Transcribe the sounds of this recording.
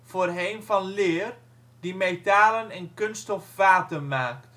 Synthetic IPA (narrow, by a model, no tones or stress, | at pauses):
foːrɦejnfɑnlɪːər | dimetaːlənɛnkønstɔfvaːtəmaːk̚t